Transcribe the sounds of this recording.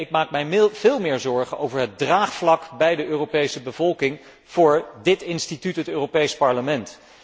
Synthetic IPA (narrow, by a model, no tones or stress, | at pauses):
ɪk̚maːk̚mɛjv̥ɪːlˠmɪːɹzɔɹχənowvəɹɦət̚draːχflɑkbɛjdəʔøːrowpejsəbəvɔlˠkɪŋ | v̥ʊːɹdɪtɪnstitytɦətøːropejspɑɹləmɛnt